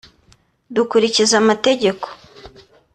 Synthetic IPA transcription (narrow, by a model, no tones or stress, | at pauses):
dukuɾicizamate̞ɟe̞ko̥